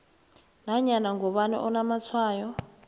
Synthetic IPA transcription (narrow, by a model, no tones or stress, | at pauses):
naɲanaŋɡɔɓanɛ̰ʔɔnamat͡sʰwaːjɔ